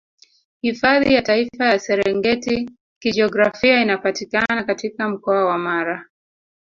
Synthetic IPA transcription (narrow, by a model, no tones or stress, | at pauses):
hifaðḭjataifajasɛɾɛŋɡɛti | kid͡ʒɔɡɾafiainapatikanakatikam̩kɔawamaɾa